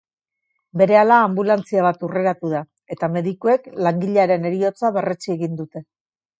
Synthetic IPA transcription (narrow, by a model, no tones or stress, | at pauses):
be̞ɾe̞alaːmbulant͡siaβ̞at̪ure̞ɾat̪uða | e̞t̪ame̞ðikoe̞klaŋɡiʎaɾe̞ne̞ɾio̞t͡saβe̞ret͡sie̞ɣind̪ut̪e̞